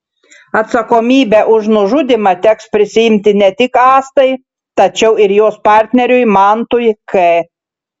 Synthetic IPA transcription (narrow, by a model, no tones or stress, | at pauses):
ɐt̪sɐkoːmʲiːbʲɛʔʊʒnʊʒʊd̪ʲɪmɐt̪ʲɛkspʲɾʲɪsʲɪɪmʲt̪ʲɪnʲɛt̪ʲɪkɑːst̪ɐɪ | t̪ɐt͡ʃʲɛʊɪɾjoːspɑˑɾʲt̪ʲnʲɛɾʲʊjmɑːnt̪ʊjkɐɪ